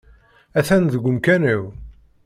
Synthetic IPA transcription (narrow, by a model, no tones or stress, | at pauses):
æθænðəɡʷʊmkæniw